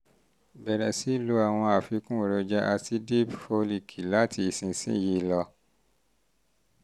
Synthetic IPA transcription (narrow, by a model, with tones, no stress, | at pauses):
bɛ˨ɾɛ˨si˨˦˨lu˨˦a˨w̃ɔ̃˧a˨fi˧kũ˦˨ɾo˧d͡ʒa˦ʔa˧ti˧de˦fo˧li˨kʰi˨la˦ti˧i˨sĩ˨sḭ̃˦˨je˧˦lɔ˧